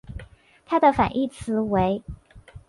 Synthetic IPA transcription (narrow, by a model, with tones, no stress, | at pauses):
t̪ʰa˥d̪ə˨fa̰˨˩nʔi˥˩t͡sʰɹ̩˧˥we˧˥ɪ